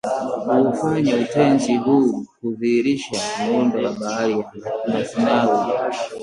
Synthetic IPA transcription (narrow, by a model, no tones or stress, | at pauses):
huːfaɲautɛnd͡ʒiɦuːkuðiːɾiʃamɔndɔlaɓaalianasinawu